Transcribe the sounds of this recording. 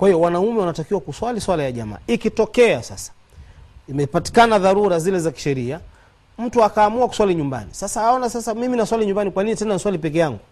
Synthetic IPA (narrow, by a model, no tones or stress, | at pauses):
kwahijɔwanaumɛwanatakiwakuswaliswalajaʄa̰ma̰ːikitɔkɛasa̰sḁ | imɛpati̥kanaðaɾuɾazilɛzaki̥ʃɛɾia | m̩tuakaːmuaku̥swaliɲumba̰nisasaɔnasasamiminaswaliɲumbanikwaninitɛnaniswalipɛkɛjaŋɡu